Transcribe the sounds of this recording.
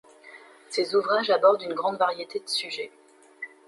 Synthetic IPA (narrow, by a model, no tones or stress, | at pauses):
sezuvʁaʒabɔʁd̪ynɡʁɑ̃d̪vaʁjet̪ed̪əsyʒɛ